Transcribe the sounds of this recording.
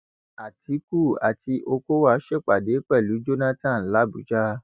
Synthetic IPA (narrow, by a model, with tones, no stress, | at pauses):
a˨tʰi˨˦ku˦˨a̰˨ti˧ʔo˧ko˦wa˧˦ʃɛ˦˨k͡pa˨de˨˦k͡pɛ˦˨lu˨˦d͡ʒo˦nã˦tã˦˨la˨˦bu˨˦d͡ʒa˦